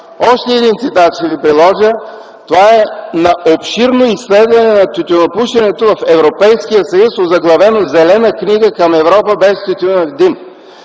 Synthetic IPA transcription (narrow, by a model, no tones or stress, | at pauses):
ɔʃt̪ɛɛd̪int̪sit̪at̪ʃɛvipɾilˠɔʒə | t̪ovaɛnɐʔopʃiɾnoislɛd̪vɐnɛnɐt̪ʲut̪ʲonopuʃɐnɛt̪ovɐfɛvɾopɛjsk̟ijəsɐjusozɐɡlˠɐvɛnozɛlɛnəkniɡəkɐmɛvɾɔpəbɛst̪ut̪unəvd̪im